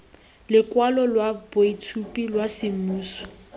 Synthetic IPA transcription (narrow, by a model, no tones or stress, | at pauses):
lɪkwalɔlwaboitʰupʼilwasɪm̩muːsɔ̥